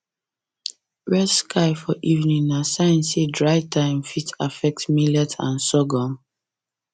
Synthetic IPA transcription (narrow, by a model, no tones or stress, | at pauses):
ɹɛskʰaɪfɔʔivnĩŋnasãɪ̃nsedɹaɪtʰãɪ̃mfitʰafɛk̚tmilɛtʰã̰nsɔɡɔ̃m